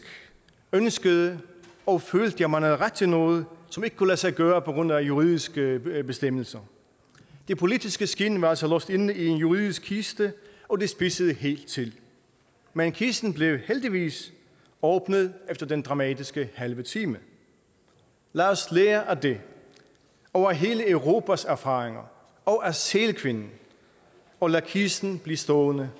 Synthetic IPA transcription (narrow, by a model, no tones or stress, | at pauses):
ønsɡ̥əð̩ˠəɒ̽føːld̥əjɑ̈ɪmænæðˠʁad̥̚t͡sʰe̝lnɔ̽ːð̞ˠəsɒ̽me̝ɡ̥ə̥kʰulæsɑ̈ɪɡ̥ɶːɐpʰɒ̽ɡ̥ʁon̰æjuʁiːðˠisɡ̥əb̥e̝sd̥em̰l̩sɐ | d̥e̝pʰo̝lid̥isɡ̥əsɡ̥inʋɑ̈ælsɒlɔ̽sd̥e̝nie̝njuʁiðˠisɡ̥ʰisd̥əɒ̽d̥e̝sb̥isəðˠəɦe̝̰ːld̥̚t͡sʰe̝l | mænkʰisn̩b̥le̝ʊheld̥iʋḭːs | ɒːb̥nəðˠefd̥ɐd̥end̥ʁɑ̈mɛ̰ːd̥isɡ̥əhælʋət͡sʰiːmə | læːɒsleːɐʔæd̥e̝ | ɒʊɐɦe̝ːləeʊʁo̝ːpʰæsæɐfɑ̰̈ːʁeŋɐ | ɒ̽ʔæselkʰʋe̝nn̩ | ɒ̽lækʰisn̩b̥lisd̥ɔːnə